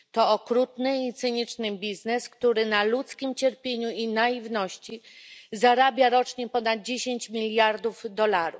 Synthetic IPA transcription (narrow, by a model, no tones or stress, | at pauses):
t̪ɔɔkɾut̪nɘit̪sɘɲit͡ʂnɘbʲiznɛskt̪uɾɘnalut̪skʲimt͡ɕɛɾpʲjeɲuinaivnɔɕt͡ɕizaɾabʲjaɾɔt͡ʂɲɛpɔnad̪̚d͡ʑeɕeɲt͡ɕmʲilʲjaɾd̪uvd̪ɔlaɾṵ